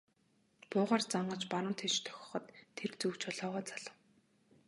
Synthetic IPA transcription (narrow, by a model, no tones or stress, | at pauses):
pʊːʁaːrt͡saɴɢə̆t͡ɕpaɾə̆mt̪ʰet͡ɕt̪ʰœ̥xʲɞ̥̆χɞ̆t̪ʰːert͡suwt͡ɕɔɮɔːʁaːt͡saɮə̆w